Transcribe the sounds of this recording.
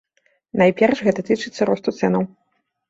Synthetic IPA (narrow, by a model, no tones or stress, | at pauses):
najpʲɛrʂɣɛt̪ɐt̪ɨt͡ʂɨt̪sːɐɾɔst̪ut̪sɛnɐw